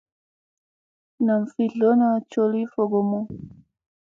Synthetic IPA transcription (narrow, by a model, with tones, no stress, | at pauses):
na˨ɱ˨fi˨ɮɔ˦na˨t͡ʃɔ˨li˦fɔ˨ɡɔ˨mɔ˦